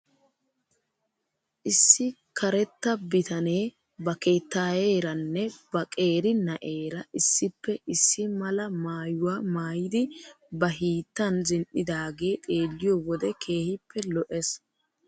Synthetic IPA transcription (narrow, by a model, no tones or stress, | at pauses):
ʔɪsːɪ | kʰɐɾɛt̪ːɐbɪt̪ɐneː | bɐkeːt̪ːaːje̞ːɾɐnːɛb̥ɐkʼe̞ːɾɪnɐʔe̞ːɾɐʔɪsːɪpːɛʔɪsːɪmɐlɐmaːjʊwaːmaːjɪd̪ɪ | bɐɦiːt̪ːɐnzɪnʔɪd̪aːɡe̞ːt̪ʼe̞ːlːɪjowɔd̪ɛkʰeːhɪpʰːɛlɔʔɛs